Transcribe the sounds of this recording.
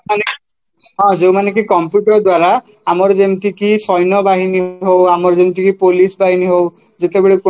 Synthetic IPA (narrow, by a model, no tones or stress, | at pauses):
mane | ɦɔ̃d͡ʒewmanek̬ikɔmpjuʈɔɾd̪waɾa | amɔɾd͡ʒemt̪ikisɔjnɔbaɦiniɦowamɔɾd͡ʒemt̪̬ikipolisbaɦiniɦow | d͡ʒet̪ebeɭek